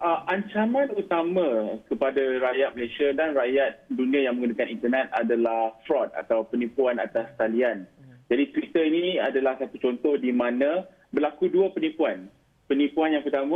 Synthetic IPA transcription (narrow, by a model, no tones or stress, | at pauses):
ʔəaɲt͡ʃamãnut̪amãkəpadaɾajat̪̚məlasiadanrajat̪̚dunĩãjaŋmə̃ŋɡunakanint̪ənɛt̪̚a̰dalahfɾɔt̪̚a̰t̪awpənĩpuana̰t̪ast̪aliand͡ʒadit̪wit̪əinĩadalahsat̪ut͡ʃɔnt̪ɔhdimãnã | bəlakuduapənipuan | pənipuanjaŋpərt̪amã